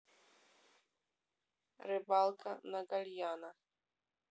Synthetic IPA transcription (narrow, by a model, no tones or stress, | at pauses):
ɾɪbalˠkanaɡalʲjana